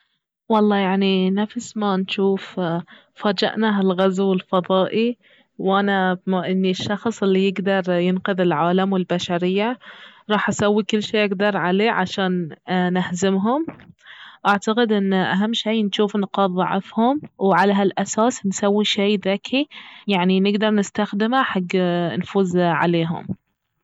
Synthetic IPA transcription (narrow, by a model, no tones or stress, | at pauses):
wɑlˤːɑːjaʕninafsmanʃuːf | faːd͡ʒa̰ʔnaɦalɣazwɪlfɑðˤɑːʔi | wʔanamaʔɪnːiʃːɑxsˤʔɪlːijɪɡd̪ɑɾˤjɪnqɪðɪlʕaːlamwɪlbaʃaɾɪjːaɾˤɑːħʔasawːikʊlːʃeːʔɪɡd̪ɑɾˤʕaleːʕaʃaːnːahzɪmɦʊm | ʔaʕt̪aqɪd̪ʔɪnːʔaɦamːʃijːnʃuːfnqɑːðˤɑʕɪ̰fhʊmwʕalaɦalʔasaːsnsawːiʃeːðakʰijaʕninɪɡd̪ɑɾˤnɪst̪axd̪ɪmaħaɡːnfuːzʕa̰leːɦʊ̰m